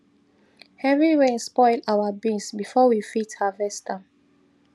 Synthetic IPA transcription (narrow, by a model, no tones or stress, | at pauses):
hɛɹiɹẽnspɔɪlawabĩsbifɔwifithavɛstã